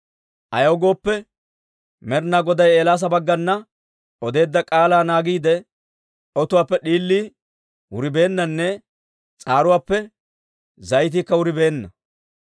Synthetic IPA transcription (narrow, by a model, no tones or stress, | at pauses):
ʔɐ̰jɐwɡo̞ːpːɛ | mɛɾnaːɡɔd̪ɐjeːlaːs̬ɐbɐɡːɐnːɐ | ɔd̪e̞ːd̪ːɐkʼaːlaːnaːɡiːd̪ɛ | ɔt̪ʊwaːpːɛɗiːlːiː | wʊɾɪbe̞ːnːɐnːɛ | t͡sʼaːɾʊwaːpːɛ | zɐjt̪̬iːkːɐwʊɾɪbe̞ːnːɐ